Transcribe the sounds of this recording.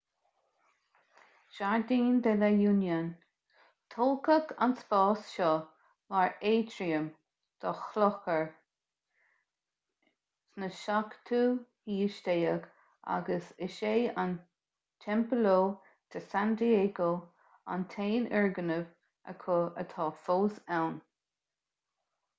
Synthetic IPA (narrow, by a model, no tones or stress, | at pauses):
ʃaɹd̪iːnd̪ɛlajuːnjan | t̪ʰɔlkəkʰa̰nsfɑːsʃɔ | waɹeːtɾiəm | d̪̥ɔxlɔxəɹ | snəʃakt̪ʰuːhiːʃtejəɡ | a̰ɡəsɪʃeːan | tʰɛmpəloː | t̪ʰəsand̪ieːɡoː | a̰nt̪ʰeːnɛɹɡənəv | ʔə̰kʰoə̰t̪ʰɑːfoːsɛwn